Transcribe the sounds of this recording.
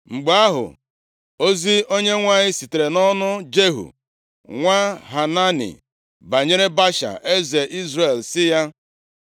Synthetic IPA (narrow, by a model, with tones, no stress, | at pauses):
ŋ͡m̩˨ɡ͡ba˦ɦʊ̰˨ | o˦zi˦o˦ɲe˦ŋʷa˦ɲɪ˦si˨te˨ɾe˨nɔ˦nʊ˦d͡ʒe˦ɦṵ˨ | ŋʷa˦ɦa˨na˦nḭ˨ | ba˨ɲe˦ɾe˦ba˦ʃa̰˨ʔe˦ze˨ʔi˦zɾe˨lsɪ˦ja˦